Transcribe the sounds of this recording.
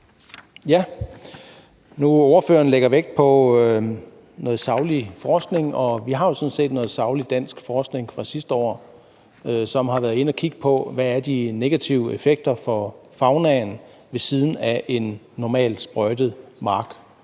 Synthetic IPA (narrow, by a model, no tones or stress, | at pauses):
jæ | nuɒʊɐføːɐn̩leɡ̥ɐʋeɡ̥̚pʰɒ̽ | nɔ̽ːð̩ˠsɑ̈ʊlifɒːsɡ̥ne̝ŋɒ̽ʋiɦɑ̈jo̝sɔ̽n̩se̝̰ːd̥nɔ̽ːð̩ˠsɑ̈ʊlid̥æn̰sɡ̥fɒːsɡ̥ne̝ŋfʁɑ̈sisd̥əɒ̰ː | øsɒ̽mɦɑ̈ʋæːɐð̩ˠe̝nɒkʰiɡ̥əpʰɒ̽ʋæːɐd̥ine̝ɡ̥æt͡sʰiʊefeɡ̥̚d̥ɐfɒ̽fɑ̈ʊnɛːn̩ | ʋe̝siːð̞ˠn̩æʔe̝nː | ɒmɛ̰ːld̥sb̥ʁœd̥ð̩ˠmɑ̈ːɡ̥